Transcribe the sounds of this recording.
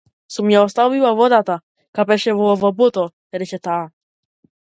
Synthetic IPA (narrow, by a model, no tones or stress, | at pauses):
sumjɛɔst̪avivavɔd̪at̪a | kapɛʃɛvɔvɔbɔt̪ɔ | ɾɛt͡ʃɛt̪aː